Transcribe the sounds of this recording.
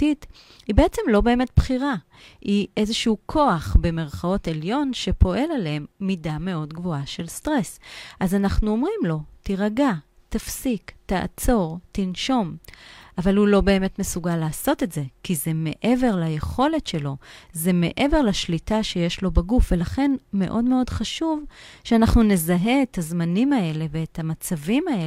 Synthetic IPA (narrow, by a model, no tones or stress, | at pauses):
it | hibeet͡se̞mlo̞be̞ːme̞t̚bχiʁa | iʔe̞zeʃuukʰo̞aχbe̞me̞ʁχao̞te̞ljo̞nʃe̞po̞ʔe̞laleemːidame̞o̞dɡvo̞aʃe̞lstʁe̞sʔazanaχnuo̞mʁimlo̞tiʁaɡa | t̪afsiktaʔːt͡so̞ʁtinʃo̞mʔavalhulo̞be̞ːme̞tme̞suɡalːaːso̞tetze̞kize̞me̞ʔe̞ve̞ʁlaje̞χo̞le̞tʃe̞lo̞ze̞me̞ʔe̞ve̞ʁlaʃlitaʃejeʃlo̞baɡufve̞laχe̞nme̞̰ʔo̞dme̞o̞dχaʃuvʃeanaχnune̞zaɦe̞ːtʰhazmanimae̞le̞veːthamat͡savimae